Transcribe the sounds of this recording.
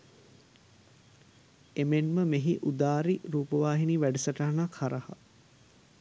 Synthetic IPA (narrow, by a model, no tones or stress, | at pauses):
emenməmeɦiʔud̪aːɾiɾuːpəʋaːɦiniʋæɖəsəʈaɦnakʰaɾɐha̰